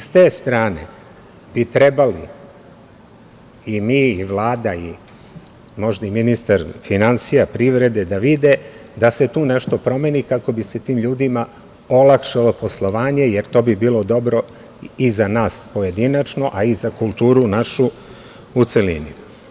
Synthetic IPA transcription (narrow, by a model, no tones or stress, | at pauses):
st̪e̞ːst̪ɾaːne̞̰ | b̥it̪ɾe̞bali | imiːiʋlˠaːd̪ai | mo̞ʒd̪aiminist̪aɾfinansijapɾiʋɾe̞d̪e̞d̪aʋid̪e̞d̪ase̞t̪uːne̞ʃt̪o̞pɾo̞me̞nikako̞bise̞t̪iːmʎuːd̪ima | olakʂalo̞po̞slˠo̞ʋaːɲe̞jeɾt̪o̞ːbibiːlˠo̞d̪o̞bɾo̞ | izanaːspoje̞d̪inat͡ʃno̞ʔaizakulˠt̪uːɾunaʃu | ut̪selḭnḭ